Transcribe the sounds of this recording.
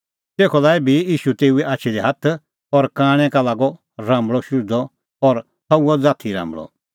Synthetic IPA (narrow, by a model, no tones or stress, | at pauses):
t̪eːkʰɔlaːɛbʱijiːʃut̪eːuɛʔaːt͡ʃʰid̪iɦɐt̪ʰ | ɔɾkãːɽ̃ɛ̃kalaːɡɔ | ɾãːmbɭɔʃuɾd̪ɔ | ɔɾ | t̪ɐuɔd͡zaːt̪ʰiɾã̰ːmbɭɔ̰